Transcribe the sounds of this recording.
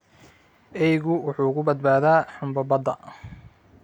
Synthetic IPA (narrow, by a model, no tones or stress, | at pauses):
ɛjɣʊwʊħuːkʰʊbɐd̪̚baːðaːħʊmbɐbɐd̪ɐ̰